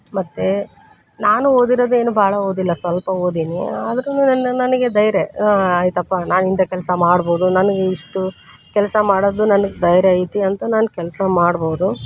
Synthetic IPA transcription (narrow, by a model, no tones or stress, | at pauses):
mɐt̪ːe | naːnuo̞ːd̪iɾoːd̪ue̞ːnubʱaːɭɐoːd̪ilːɐsʋɐlpɐo̞ːd̪iːnḭaːd̪ɐɾenunɐnɐnɐnɐɡe̞d̪ɐjɾeaːjt̪ɐpːanaːnint̪ɐkɛlsɐmaːɽbo̞ːd̪unɐnɐɡeiʂʈu | kɛlsɐmaːɽod̪ːunɐnɐɡed̪ɐjɾeɐjt̪iɐnt̪ɐnaːnkɛlsɐmaːɽboːd̪u